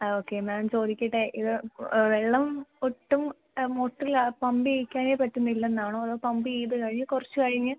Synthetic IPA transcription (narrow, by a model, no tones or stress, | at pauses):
oːkːeːmaːmt͡ɕo̞ːðikʲːiʈːeʔiðɨʋeɭːɐmoʈːumː | oʈːilapɐmbiejkʲːaːneːpɐʈːunːɐilːɐenːaːɳoːɐðoːpɐmbiejðɨkɐɻiɲːɨkurɐt͡ɕːukɐɻiɲːɨ